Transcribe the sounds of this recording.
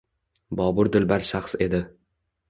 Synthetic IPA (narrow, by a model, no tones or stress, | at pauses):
bɒːbʊɾd̪ɪlbaɾʃaχse̞d̪ɪ